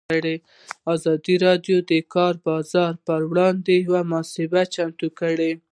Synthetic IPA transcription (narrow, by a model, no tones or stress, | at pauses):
əɽe | ɑzɑd̪iɾɑd̪jod̪əkɑɾbɑzɑɾpəɾwɽɑnd̪ejawamɑsɪbat͡ʃamt̪ukəɽe